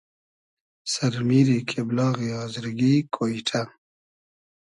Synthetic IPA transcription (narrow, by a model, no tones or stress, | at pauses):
saɾmiɾikʰeblɑːɣiɑːzɾɡikʰoiʈʰa